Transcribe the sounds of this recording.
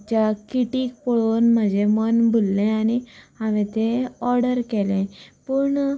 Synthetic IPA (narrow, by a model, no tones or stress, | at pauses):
t͡ɕjakiʈiːk̚pɔɭonməd͡ʑʱemənbʱulːẽaniaʋɛ̃t̪eɔɾɽəɾkɛlẽpəɳ